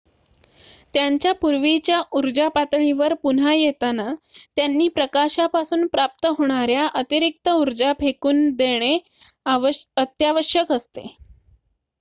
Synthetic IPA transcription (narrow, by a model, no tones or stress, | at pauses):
t̪jaɲt͡ɕjapuɾʋit͡ɕjaʔuɾd͡ʑapat̪ɳiʋəɾpun̤ajet̪anat̪janːiːpɾəkaɕapasuːnpɾap̚t̪əɦoɽ̃aɾjaʔət̪iɾik̚t̪əuɾd͡ʑapʰekuːnd̪eɽ̃e | ət̪jaʋəɕjəkəst̪ḛ